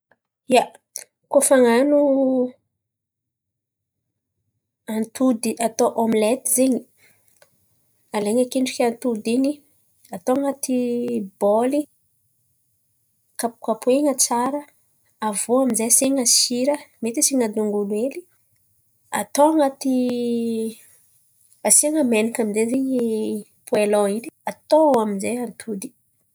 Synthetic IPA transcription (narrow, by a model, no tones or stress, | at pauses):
ja | kofaŋanu | ant̪ʰud̪iat̪oʔomlɛt̪izeɲi | aleɲakeɳɖ͡ʐi̥kʲant̪ud̪iɲi | at̪oaŋat̪iboli | kapu̥kapueŋət͡saɾə | avoaminzejaseŋəsiɾəmet̪isiŋad̪uŋɡulweli | a̰t̪oaŋat̪i | aseŋəmenikaminzezeɲi | pʰueloiniat̪oaminzejant̪ʰud̪i̥